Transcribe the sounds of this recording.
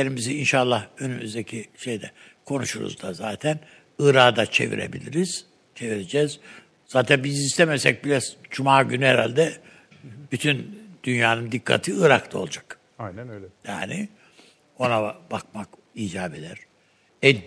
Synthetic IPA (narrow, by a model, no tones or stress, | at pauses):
eɾimiziinʃalˠːahønymyzd̪ecʰiʃe̞jd̪ɛ̰kʰo̞nṵʃuɾṵzd̪azaːt̪ʰæn | ɯɾaːd̪at͡ʃʰe̞̰vḭɾḛbḭlʲiɾiz̥ | t͡ʃʰe̞viɾe̞d͡ʒɛːz | z̥aːt̪ʰænbizist̪emɛsɛc̚biɾaz̥d͡ʒumaːɟynyhɛɾalʲd̪ɛ | b̥yt̪ʰynd̪̥ynjaːnɯmd̪ikʰːa̰t̪ʰiɯɾakt̪ʰao̞lˠd͡ʒḁk̪ | lja̰ːnɪ | o̞nabak̚mak | iːd͡ʒaːbed̪æɾ̥ | ɛ